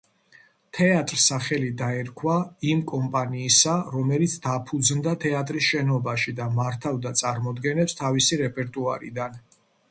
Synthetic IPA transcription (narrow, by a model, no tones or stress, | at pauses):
t̪ʰɛat̪ʼɾsaχɛlid̪aɛɾkʰwaimkʼɔmpʼaniːsaɾɔmɛlit̪sʰd̪apʰud̪znd̪at̪ʰɛat̪ʼɾisʃɛnɔbaʃid̪amaɾt̪ʰavd̪at̪sʼaɾmɔd̪ɡɛnɛpst̪ʰavisiɾɛpʼɛɾt̪ʼuaɾḭd̪an